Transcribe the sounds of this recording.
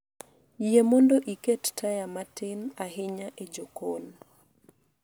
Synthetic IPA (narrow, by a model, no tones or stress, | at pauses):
jemondoʔikettʰajamatɪnaɦɪɲaʔed͡ʒokon